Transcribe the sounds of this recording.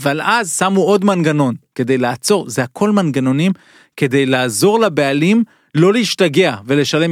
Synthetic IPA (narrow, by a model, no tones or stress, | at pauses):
valazsamuʔo̞d̪manɡano̞nke̞d̪e̞jlaat͡so̞ʁzeakʰo̞lmanɡano̞nim | ke̞d̪e̞jlaːzo̞ʁlabe̞alim | lo̞leiʃtaɡe̞ave̞le̞ʃale̞m